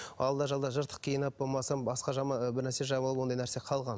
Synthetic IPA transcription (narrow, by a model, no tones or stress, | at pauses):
ɑlˠd̪ɑʒɑlˠd̪ɑʒəɾt̪ʰə̥qkʲʰijənɑpomɑsɑnbɑsqɑʒɑmɑbɪɾnæɾse̞ʒɑbəlˠəpwod̪ɑjnæɾseqʰɑlˠʁɑn